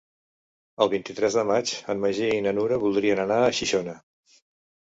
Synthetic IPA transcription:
əlˠβint̪it̪ɾɛzðəmat͡ʃəmməʒiəinənuɾəβulˠd̪ɾiənənaəʃiʃonə

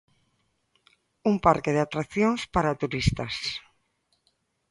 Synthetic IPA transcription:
umpaɾkeð̞eat̪ɾakθjoŋspaɾat̪uɾist̪as

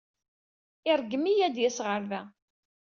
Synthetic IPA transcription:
ɪɾˤɡːəmijæd̪jæsʁəɾðæ

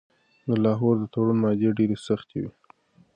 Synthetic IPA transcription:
d̪əlɑɦoɾd̪ət̪oɽunmɑd̪eɖeɾesaxt̪ʰewi

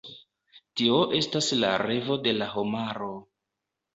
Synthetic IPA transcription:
tio̞ʔe̞stasla̰ɾe̞vo̞de̞lahomaɾo̞

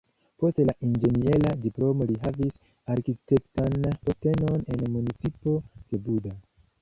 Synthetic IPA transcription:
po̞stlaʔind͡ʒe̞nieladiplo̞mo̞liɦavis | aɾkite̞ktanpo̞te̞no̞ne̞nmunit͡sipo̞d̥e̞buda

